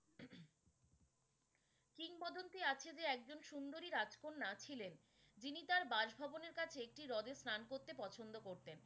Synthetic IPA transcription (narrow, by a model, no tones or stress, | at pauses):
kiŋbɔd̪ont̪iat͡ɕʰed͡ʑeɛk̚d͡ʑonʃund̪oɾiɾad͡ʑkonːat͡ɕʰilen | d͡ʑinit̪aɾbaʃbʱɔboneɾkat͡ɕʰeek̚ʈiɾɔd̪esnankoɾt̪epɔt͡ɕʰond̪okoɾt̪en